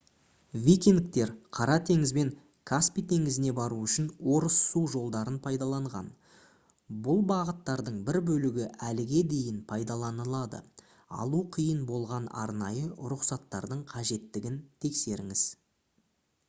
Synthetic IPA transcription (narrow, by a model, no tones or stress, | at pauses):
vʲijkʲenk̚t̪e̞ɾqʰɑɾɑt̪ʰe̞ŋɪzbe̞ŋ | kʰaspijt̪ʰe̞ŋɪzɪne̞bɑɾuʏʃɪnwo̞ɾəsːuʒo̞lˠd̪ɑɾənpʰɑjd̪ɑlˠɑɴʁɑ̰n | bʊlˠbɑʁət̪ːɑɾd̪əɴbɪɾbɵlɪɡʲɪʔælɪɡʲe̞d̪e̞jɪnpʰɑjd̪ɑlˠɑnəlˠɑd̪ə̰ | ɑ̰lˠuqʰijənbo̞lˠʁɑnɑ̰ɾnɑjəɾʊqsɑt̪ːɑɾd̪əɴqʰɑʒe̞t̪ːɪɡʲɪnt̪ʰe̞kse̞ɾɪŋɪz̥